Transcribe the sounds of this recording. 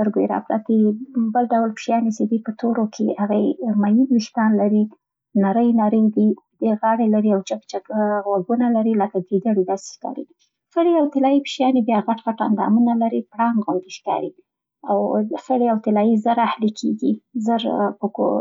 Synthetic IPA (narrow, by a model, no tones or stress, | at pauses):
st̪əɾɡojeɾɑ̰pɾa̰t̪ibəlɖawlpʃjɑnet͡ʃed̪ipət̪ʰoɾokʰehaɣamajimɪʃd̪ɑnlaɾi | naɾəjnaɾəjd̪id̪̥eɣɑɽelaɾiawt͡ʃakt͡ʃakɣwaɡunalaɾilakaɡed̪aɽid̪ɑse̥ʃkɑ̰ɾḭ | fəɽeawt̪ɪlɑipʃjɑnebjɑɣaʈɣaʈa̰nd̪ɑ̰munalaɾipɽɑŋɡɣund̪iʃkɑ̰ɾi | awsəɽeawt̪ɪlɑjizəɾahlikʰeɡizəɾpəko̰